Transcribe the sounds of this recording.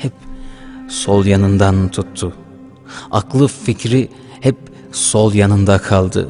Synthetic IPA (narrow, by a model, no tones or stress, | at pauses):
hɛp̚ | solˠjanɯnd̪ant̪ʰut̪ʰːʊ | aklˠɯficɾi | hɛp̚ | solˠjanɯnd̪akʰalˠd̪ɯ̰